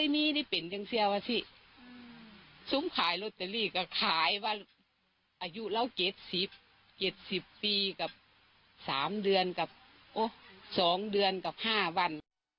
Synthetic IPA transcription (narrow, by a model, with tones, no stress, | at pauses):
a˧˩jmiː˧˥da˧˩jpe˨nja˧˨ŋsi˧ə˧waː˧si˧˥˨ | so˧˦mkʰaː˨˦jlo˧t̪̚ːa˨˩liː˧˩ka˧˩kʰaː˨˦jwaː˧ | ʔaː˨˩ju˧˨la˧˥˩wt͡ɕe˧˦t̪̚si˧˦p̚ | t͡ɕe˨˧˩t̪̚si˨˧˦pːiː˧ka˧˩p̚ | saː˨˦mdɯ˧ənka˧˩p̚ | ʔo˧˩sɔː˨˦ŋdɯ˧ənka˧˩p̚haː˧˥˩wa˧˥˨n